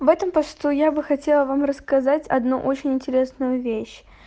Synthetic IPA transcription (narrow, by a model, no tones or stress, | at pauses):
vɛt̪əmpɐst̪ujabɨxɐtʲe̞lˠəvamrəskɐzatʲɐ̰d̪nṵʔo̞t͡ɕɪnʲɪnʲtʲɪɾʲe̞snʊjʊvʲeɕ